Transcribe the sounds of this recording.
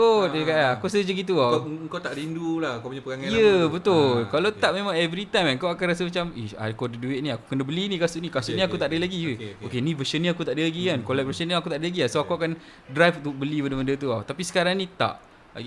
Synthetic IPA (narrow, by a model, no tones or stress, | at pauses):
ot̪əkaakusəd͡ʒəɡit̪̬uaəŋkawt̪aʔɾindulahəŋkapuɲapəɡaŋajəbət̪ʊlkalat̪aʔ̚memãŋɛvɾit̪ajmaŋkawakanras̬əmat͡ʃamia̰kodəduɪʔ̪̚niaku̥kənabəlinĩkasuʔnikasuʔnĩakut̪aʔdəlaɡijəokenĩvəsənĩakut̪aʔdəlaɡikankolɛʔ̚vəsəniakut̪aʔdəlaɡiasoakuakan | dɾajft̪ubəlibədəməndət̪̬uawt̪apisə̥kaɾaŋnĩt̪a̰ʔ | a̰ɡ